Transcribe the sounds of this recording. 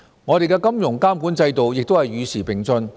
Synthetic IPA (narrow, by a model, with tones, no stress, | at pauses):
ŋɔː˨˧ɾe˨jkɛː˧kɐ˥mjʊ˨˩ŋkaː˥mku˨˥nt͡sɐ˧jt̪o˨wjɪ˨k̚t̪o˥whɐ˨˩jɥyː˨˧siː˨˩pɪ˨˩ŋsɵ˧n